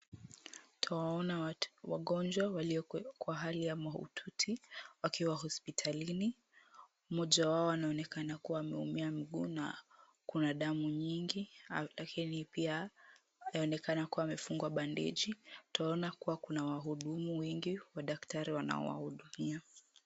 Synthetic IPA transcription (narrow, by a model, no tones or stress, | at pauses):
tʰawaɔnawaɠɔnd͡ʒwawaliɔkwaɦalijamaṵtʰutʰiwakiwaɦɔspitʰalini | umɔʄawaɔanaɔnɛkanakuwaːmɛṵmiam̩ɠuːna̰ | kunaɗamuɲiŋɡilakinipia | aɔnɛkanakuwaːmɛfuŋɡwaɓandɛ̰ʄitawaɔnakuwakunawaɦuɗumuwɛŋɡiwaɗaktaɾiwana̰ɔ̰wa̰huɗumia